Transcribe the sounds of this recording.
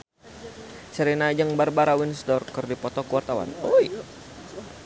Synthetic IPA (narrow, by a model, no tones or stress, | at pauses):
t͡ʃəɾɛnad͡ʒəŋbarbaɾawinsdɔrkɨrdipɔt̪ɔkuwart̪awa̰nɔj